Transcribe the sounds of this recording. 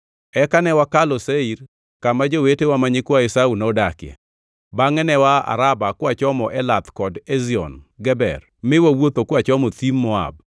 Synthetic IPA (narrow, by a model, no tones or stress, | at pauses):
ɛkanɛwakalɔseiɾ | kamad͡ʒowetewamaɲɪkwaɪsaunɔdakɪjɛ̰ | baŋɛnɛwaa̰ɾabakwat͡ʃɔmɔʔɛlat̪kɔdɛziɔ̰nɡɛbɛ̰r | mɪwawot̪okwat͡ʃɔmɔt̪imːɔa̰b̚